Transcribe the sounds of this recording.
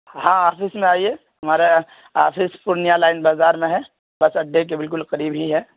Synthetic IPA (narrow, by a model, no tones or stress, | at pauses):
hãːaːfɪsmẽaːie | ɦɐmaːɾe | a̰ːfʰɪspʊɾnjalaːɪnbaːzaːɾmẽɦɛ̃ | bɐsɐɖʱːek̬ebɪlkʊlqɐɾiːbɦiɦɛː